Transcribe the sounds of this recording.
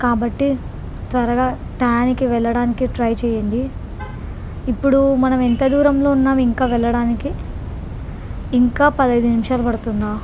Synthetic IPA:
kaːbɐʈːi | t̪ʋɐɾɐɡaː | ʈaːnikiʋɛɭːɐɽaːnikiʈɾɐjt͡ʃɛːjɐɳɖi | pːuɽumɐnɐment̪ɐd̪uːɾɐmlo̞ːunːaːmiŋkaːʋɛɭːɐɽaːniki | ŋkaːpɐd̪ɐjd̪unimʂaːlɐpɐɽut̪und̪aː

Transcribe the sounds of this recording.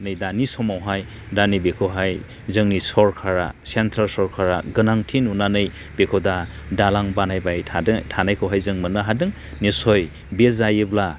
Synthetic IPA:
nɯjdanisɔmawɦaj | danibekʰɯwɦaj | zɯŋnisɔɾkʰaɾa̰sentʰɾalsɔɾkʰaɾaɡɯnaŋtʰinunanɯj | bekʰɔda | dalaŋbanajbajʰadtʰanajkʰɯwɦajzɯŋmɯnɯɦadɯŋ | nisɔj | bezajɯbla

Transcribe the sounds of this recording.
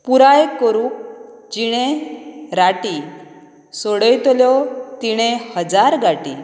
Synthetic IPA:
puɾajkəɾuk̚d͡ʑiɽ̃ẽɾaʈi | sɔɽəjt̪ɔljɔt̪iɽ̃ẽhəd͡zaɾɡaʈi

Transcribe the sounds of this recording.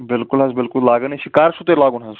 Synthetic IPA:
bɪlkʊlɦɐzbɪlkʊllaːɡəniʃikaːɾʃut̪elaːɡuːnɦɐz

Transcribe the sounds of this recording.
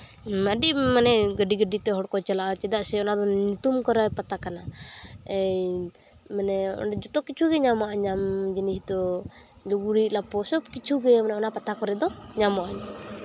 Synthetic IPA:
maɖimanɛɡəɖiɡəɖit̪ɛɦɔɽkɔt͡ʃalaʔat͡ʃɛd̪aʔsɛɔnad̪ɔɲut̪umkɔɾajpat̪akana | ɛj | manɛɔ̰ɖɛd͡ʒɔt̪ɔkit͡ʃʰuɡɛɲamaʔaɲamd͡ʒinisd̪ɔ | luɡuɾiʔlapɔsɔb̚kit͡ʃʰuɡɛmanɛɔnapat̪akɔɾɛd̪ɔɲamaʔaɲ

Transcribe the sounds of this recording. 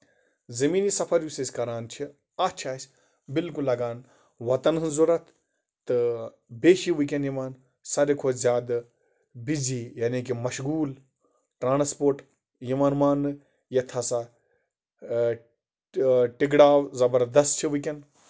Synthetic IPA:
zɐmiːnisɐpʰɐɾjusɐsʲkɐɾaːnt͡ʃʰi | ɐt͡ʃʰaːsʲ | bɪlkulːɐɡaːn | ʋɐt̪ɐnɨzuɾɐt̪ʰ | t̪ɨ | beːʃiʋɨk̬ʲɐnjimaːn | sɐɾekʰoːzjaːd̪ | bid͡zijaːnik̬imɐʃɡuːl | ʈɾaːnspoːɾʈ | jimaːnmaːnɨ | jɐt̪ʰɐsa | ʈiɡɽaːwzɐbɐɾd̪ɐst̪̚t͡ʃʰiʋɨkʲɐn

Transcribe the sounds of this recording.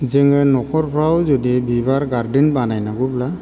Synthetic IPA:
zɛŋɛnɔkʰɔɹpʰɔɹawzɔdibibaɹɡaɹdinbanajnaɡɔbla

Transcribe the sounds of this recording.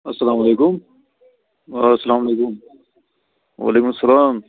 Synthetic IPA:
ɐsɐlaːmɐleːkum | sɐlaːmɐlekum | wa̰ːlekũsɐlaːm

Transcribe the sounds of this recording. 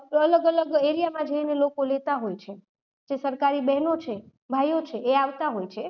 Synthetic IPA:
ələɡələɡeɾijamãd͡ʒəinelokolet̪aɦojt͡ʃʰe | d͡ʒesəɾkaɾibɛɦnot͡ʃʰe | bʱajot͡ʃʰeeaʋt̪aɦojt͡ʃʰe

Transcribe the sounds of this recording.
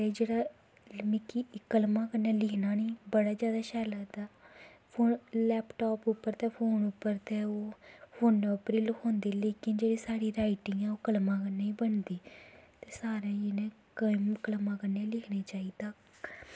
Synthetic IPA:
eːd͡ʒeːɽaː | mɪkiːkəlmãːkəɾnẽːlɪkʰnaːniːbəɽaːzjaːd̪aːʃɛːlaːt̪aːpʰoːnlɛːpʈaːpʊpːəɾt̪eːpʰoːnʊpːəɾt̪eːoːpʰoːnəpɾiːlkʰõːnd̪eːleːkɪnd͡ʒeːɽiːsaːɽiːɾaːɪʈɪ̃ŋɡɛ̃ːoːkəlmãːkəneːĩːbəɳd̪iːt̪eːsaːɾeːnẽːkəmkəlmãːkəɾneːlɪkʰneːt͡ʃaːiːt̪ak

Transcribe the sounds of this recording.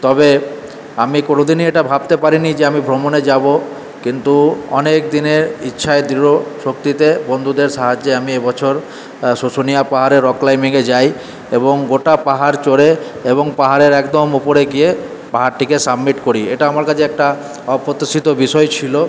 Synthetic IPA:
t̪ɔbe | amikonod̪inieʈabʱab̚t̪epaɾinid͡ʑeamibʱɾomoned͡ʑabo | kint̪uɔ̰nekd̪ineɾitːʃʰaed̪ɾiɾoʃokt̪it̪ebond̪ʱud̪eɾʃaɦad͡ʑːeamiebɔt͡ɕʰoɾ | sosonijapaɦaɾeɾɔklajmiŋed͡ʑaj | eboŋɡoʈapaɦaɾt͡ɕoɾeeboŋpaɦaɾeɾɛkd̪omupoɾeɡie | paɦaɾʈikesabmiʈkoɾieʈaamaɾkat͡ʃʰeɛk̚ʈa | ɔpot̪ːisit̪obiʃɔet͡ɕʰilo

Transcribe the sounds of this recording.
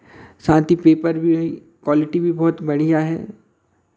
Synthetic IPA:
sãːnt̪ipeːpəɾbʱi | kwɔːlɪʈibʱibɔːʊt̪bɐɽ̤ijaɦɛ̰ː

